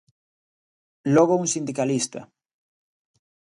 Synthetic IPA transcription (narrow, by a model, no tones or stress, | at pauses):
loɣouŋsind̪ikalist̪a̰